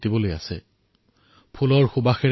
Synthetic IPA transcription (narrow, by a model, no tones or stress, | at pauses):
tiboloja̰sɛ̰ | pʰulɔɹxʊbaxɛ